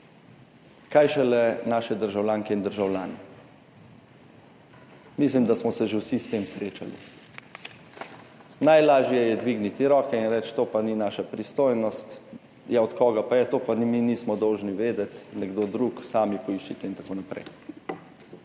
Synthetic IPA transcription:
kaːjʃɛlɛnaːʃɛd̪əɾʒawlʲjaːŋkɛind̪əɾʒawlʲjaːnɛ | mis̬limd̪asmɔsɛʒewsist̪eːmsɾeːt͡ʃa̰lḭ | najlaːʒjɛjɛd̪ʋiːɡnit̪iɾɔːkɛinɾɛt͡ʃt̪oːpaninaːʃapɾist̪oːjnɔst̪ | jɛɔt̪kɔːɡapajɛt̪oːpaniminiːsmɔd̪ɔwʒniʋeːd̪ɛt̪nɛɡd̪oːd̪ɾuksaːmipɔiʃt͡ʃit̪ɛint̪akoːnapɾɛ̰j

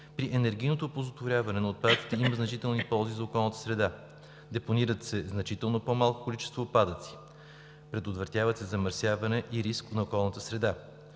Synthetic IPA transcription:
pɾiʔɛnɛɾɡ̟ijnot̪opozot̪voɾʲjavɐnɛnɐot̪̚pad̪ət̪i̥t̪ɛiməznɐt͡ʃit̪ɛlˠnipɔlˠzizɐokɔlˠnət̪ə̥sɾɛd̪a | d̪ɛponiɾət̪sɛznɐt͡ʃit̪ɛlˠnopɔmalˠko̥kolit͡ʃɛ̥st̪voːt̪̚pad̪ət̪si̥ | pɾɛd̪ot̪vəɾt̪javət̪sɛzɐməɾsʲjavɐnɛʔiɾisknɐokɔlˠnət̪əsɾɛd̪a

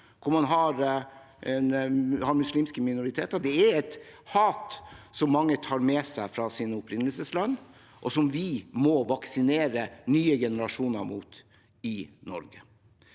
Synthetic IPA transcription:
kʰʊɾmɑnɦɑɾ | ɛnhɑɾmʉsliːmskəmɪnʊɾɪt̪ʰeːt̪əɾd̪ɛæɾɛt̪hɑːt̪sɔmːɑŋːət̪ʰɑːɾmɛsæɪfɾɑsɪnʊpɾɪnːəlsəslɑnː | ʔɔsɔmʋɪmɔʋɑksɪneːɾənyːəɡɛnəɾɑʂuːnəɾmuːt̪ | ɪnɔɾɡə

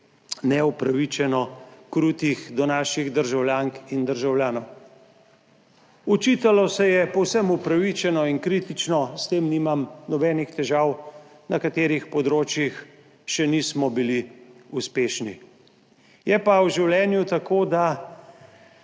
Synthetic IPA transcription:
nɛupɾaʋit͡ʃɛnɔkɾuːt̪ixd̪ɔnaːʃiɣd̪əɾʒawljaːŋkind̪əɾʒawljaːnɔw | ɔt͡ʃit̪alɔsɛjɛpɔwsɛmupɾaʋit͡ʃɛnɔinkɾiːt̪it͡ʃnɔst̪eːmnimamnɔbɛːnixt̪ɛʒaːw | nɐkat̪eːɾixpɔd̪ɾoːt͡ʃjix | ʃɛnismɔbiliuspeːʃni | jɛpawʒiwlʲjɛːnjut̪akoːd̪a

